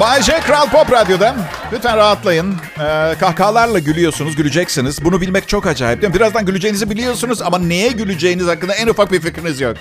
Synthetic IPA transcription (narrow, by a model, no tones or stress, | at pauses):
bad͡ʒɛkɾalˠpopɾad̪jo̞d̪anbyt̪ænɾaɦat̪lˠajɯn | kʰahkʰaːlˠaɾlˠaɟylʲijo̞sunuzɟylʲyd͡ʒɛcsinizbunubilʲmɛc̚t͡ʃʰo̞kad͡ʒa̰ːip̚d̪imbiɾazd̪anɟylʲyd͡ʒe̞jinizibilʲijo̞sunuzamane̞jɛɟylʲyd͡ʒe̞jiniz̥hakːɯnd̪aɛnufak̚bificɾinizjok